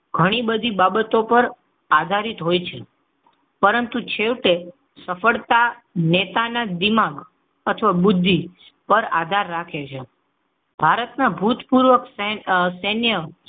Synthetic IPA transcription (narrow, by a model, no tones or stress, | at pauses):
ɡʱəɽ̃ibəd̪ʱibabət̪opəɾ | ad̪ʱaɾit̪ɦojt͡ʃʰe | pəɾənt̪ut͡ʃʰeʋʈe | səfəɭt̪anet̪anad̪imaɡ | ət̪ʰəʋabʊd̪ʱːi | pəɾa̰d̪ʱaɾːakʰet͡ʃʰe | bʱaɾət̪nabʱut̪puɾʋəkssɛnjə